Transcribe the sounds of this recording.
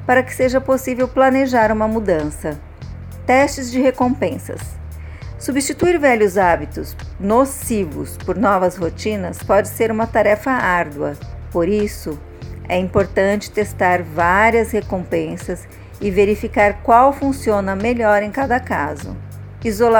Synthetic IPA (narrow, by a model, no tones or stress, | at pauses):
paɾɐkɪ̥seʒɐposivewplɐneʒaɾũmɐmud̪ɐ̃sɐ | t̪ɛst͡ʃɪzd͡ʒɪhekõmpẽsɐ̰sː | ubist͡ʃit̪uiɾvɛʎjʊzabit̪ʊsnosivʊ̰spoɾnɔvɐzhot͡ʃĩnɐspɔd͡ʒɪseɾũmɐt̪aɾɛfɐaɾd̪wɐ̰poɾisʊ | ɛĩmpoɾt̪ɐ̃t͡ʃɪ̥t̪est̪aɾvaɾiɐshekõpẽsɐs | ɪveɾifikaɾkwawfũsiõnɐmeʎɔɾẽj̃kad̪ɐkazʊ̰ | izola